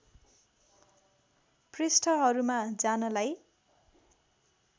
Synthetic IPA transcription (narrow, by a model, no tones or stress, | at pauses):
prisʈʰʌɦʌɾumad͡zanʌlaj